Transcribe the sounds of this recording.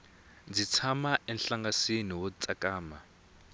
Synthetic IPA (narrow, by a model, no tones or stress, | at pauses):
d͡zit͡sʰamaʔɛnɬaŋɡasiniwɔt͡sʼakaːma